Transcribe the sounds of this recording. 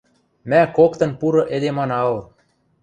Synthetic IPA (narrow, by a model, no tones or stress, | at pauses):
mækokt̪ɤ̆npuɾɤ̆ʔĕd̪emɑnɑwɤ̆r